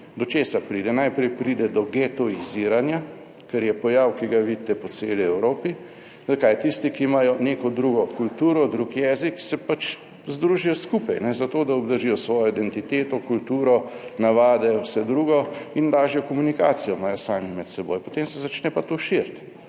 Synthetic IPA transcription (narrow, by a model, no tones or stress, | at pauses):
d̪ɔt͡ʃeːsapɾiːd̪ɛnajpɾɛjpɾiːd̪ɛd̪ɔɡɛt̪ɔiziɾanja | kɛɾjɛpɔjawkiɡaʋit̪ɛpɔseːliɛwɾoːpi | zakajt̪ist̪ikimajɔneːkɔd̪ɾuɡɔkult̪uːɾɔd̪ɾuːkjɛːziksɛpat͡ʃ | zd̪ɾuːʒijɔskuːpajnɛzat̪oːd̪aɔbd̪əɾʒiːjɔsʋɔːjɔid̪ɛnt̪it̪eːt̪ɔkult̪uːɾɔnaʋaːd̪ɛwsɛd̪ɾuːɡɔind̪aːʒijɔkɔmunikaːt̪sijɔmaːjɔsaːmimɛt̪sɛbo̰jpɔt̪emsɛzat͡ʃnɛpat̪oʃiɾt̪